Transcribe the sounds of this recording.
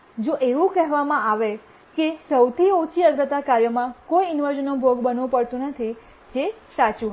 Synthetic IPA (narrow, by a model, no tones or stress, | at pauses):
d͡ʒoʔeʋũkɛɦʋamãʔaʋe | kesəwt̪ʰiot͡ʃʰiəɡ̪ɾət̪akaɾjəmãkoiɪnʋəɾd͡ʒənːobʱoɡbənʋũpəɽt̪ũnət̪ʰi | d͡ʒesat͡ʃuɦ